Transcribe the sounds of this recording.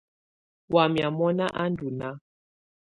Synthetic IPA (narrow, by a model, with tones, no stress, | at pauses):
wa˨mja˨mɔ˦na˦ʔa˦ndu˨na˦